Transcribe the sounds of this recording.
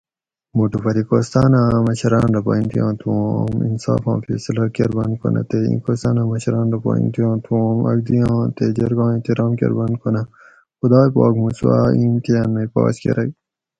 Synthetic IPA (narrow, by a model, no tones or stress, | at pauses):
muʈupɐɾikoːst̪aːnãːmɐɕɐɾaːnɾɐpaːĩnt̪ijãːt̪ʰũmḭnsa̰ːfãːnfesɐlɐɾkeɾbɐn̚konɐ̰t̪eḭ̃ːkoːst̪aːnãːmɐɕɐɾaːnɾɐpa̰ːḭ̃nt̪ijãːt̪ʰũmɐ̰ɡ̚d̪ijãːt̪ed͡ʑɐɾɡãːĩt̪iɾãːmkḛɾbɐnkʰonɐ | xud̪aːpaːɡmuswa̰ːiːmk̪ejɐnːɐjpa̰ːskḛɾʔɐj